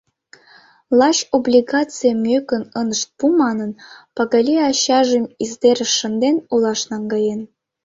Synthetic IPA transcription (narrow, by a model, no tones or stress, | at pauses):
lˠɑʃoblʲiɡɑt͡sɨjəmʲøkə̆nənəʃt̪̚pumɑnə̆npɑɣɑlʲiɑɕɑʒemizd̪eɾə̆ʃə̆nd̪enulˠɑʃnɑŋɡɑjen